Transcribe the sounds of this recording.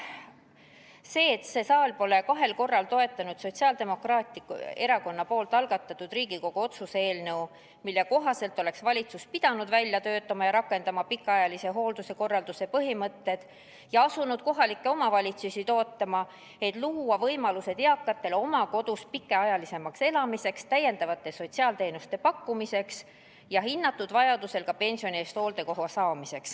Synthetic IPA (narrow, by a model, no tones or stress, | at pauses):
se̞ːt̪se̞sɑːlpo̞le̞kɑɦe̞lko̞rːɑlt̪o̞e̞t̪ːˑɑnud̪̥so̞t̪siɑːld̪e̞mo̞krɑːt̪ʲˑikṵe̞ɾɑko̞nːɑpo̞ːlt̪ːˑɑlɡ̥ɑt̪ːˑɑt̪ːˑud̪̥riːɡ̥iko̞ɡ̥uo̞t̪susee̞ːlnɤu | milːeko̞ɦɑse̞lt̪ːˑo̞le̞ksvɑlʲit̪suspid̪̥ɑnud̪̥vælʲjɑt̪ø̞ːt̪ːˑɑmɑjɑɾɑkːˑe̞nd̪̥ɑmɑpikːˑɑɑjɑlise̞ɦo̞ːld̪use̞ko̞rːɑld̪use̞pɤɦimɤt̪ːe̞d̪̥ | jɑɑsunud̪̥ko̞ɦɑlikːe̞o̞mɑvɑlʲit̪susʲit̪o̞ːt̪ːˑɑmɑ | e̞t̪ˑluːwɑvɤjmɑluse̞d̪̥eɑkˑːɑt̪ːˑe̞lo̞mɑko̞d̪̥uspikːˑe̞ɑjɑlise̞mɑkse̞lɑmise̞kst̪æje̞nd̪ɑvɑt̪ːˑe̞so̞t̪siɑːlt̪e̞ːnust̪e̞pɑkːumise̞ks | jɑɦinːɑt̪ːˑud̪̥vɑjɑd̪use̞lkɑpe̞nʲsio̞nie̞ːst̪ho̞ːld̪e̞ko̞ɦosɑːmise̞ks